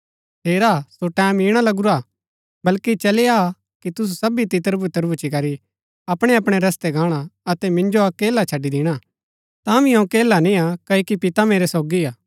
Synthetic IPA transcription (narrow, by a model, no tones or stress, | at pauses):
t̪ʰeːɾasoʈɛ̃ːmiːɽ̃alɐɡuɾaː | bɐlkit͡ʃɐlea | kit̪ʊs̬usɐbit̪ɪt̪əɾbut̪əɾbut͡ʃikɐɾi | ɐpɽ̃ɛɐpɽ̃eɾɐst̪ɛɡʱãːɽ̃aɐt̪ɛmɪ̃nd͡ʒoakeːlat͡ʃʰɐɖid̪ɪɽ̃a | t̪ãʋĩɐ̃keːlanĩakɐikipɪt̪ameːɾesɔːɡiaː